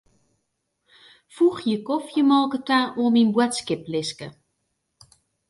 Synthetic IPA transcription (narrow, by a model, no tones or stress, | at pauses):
fuxjəkɔfjəmɔlˠkətaːoəminbwətskɪplɪskə̰